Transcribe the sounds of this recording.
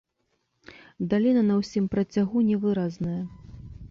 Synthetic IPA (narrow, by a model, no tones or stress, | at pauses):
d̪alʲinɐnɐwsʲimpɾɐt͡sʲaɣunʲɛvɨɾaznɐjɐ